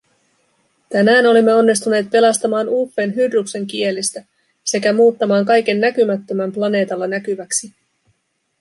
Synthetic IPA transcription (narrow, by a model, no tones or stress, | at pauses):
t̪ænæːno̞limːe̞o̞nːis̬t̪une̞ːt̪̚pe̞lɑst̪ɑmɑːnuːfːe̞ːnɦyrːukse̞ŋk̟ie̞list̪æ | se̞kæmuːt̪ːɑmɑːŋkɑjke̞nːækymæt̪ːø̞mæmplɑne̞ːt̪ɑlːɑnækyʋæksi